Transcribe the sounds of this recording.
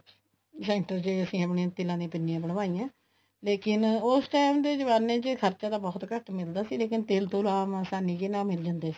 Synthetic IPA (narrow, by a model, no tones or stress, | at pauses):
sɛːɳʈəɾt͡ʃeəsĩːəpɳiãːt̪ɪlãːd̪ĩːpɪnːijãːbəɳ̃ʋaːiːjãː | leːkɪnʊsʈaːɪmd̪eːd͡ʒəʋaːnːẽːt͡ʃəkʰəɾt͡ʃaːd̪aːbɔːt̪kəʈmɪld̪aːsiːleːkɪnt̪eːlt̪ũːlaːmãːsaːnːiːkɪnãːmɪld͡ʒãnd̪eːsi̥ː